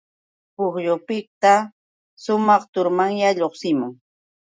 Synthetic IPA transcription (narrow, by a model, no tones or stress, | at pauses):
pʊχjʊpɪkt̪a | ʃʊmɑχt̪ʊɾmaŋjaʎoχsɪmʊŋ